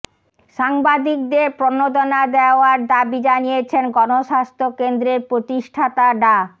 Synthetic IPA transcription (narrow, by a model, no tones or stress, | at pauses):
ʃaŋbad̪ik̚d̪eɾpɾonod̪onad̪eaoaɾd̪abid͡ʑanijet͡ɕʰenɡɔnoʃast̪ʰokend̪ɾeɾpɾot̪iʃʈʰat̪aɖa